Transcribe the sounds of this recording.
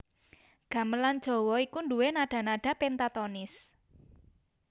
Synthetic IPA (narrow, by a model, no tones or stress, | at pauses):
ɡ̥ä̤məland̥ʒ̥ɔ̤wɔikunduwenaɖ̥a̤naɖ̥a̤pent̪at̪ɔnɪs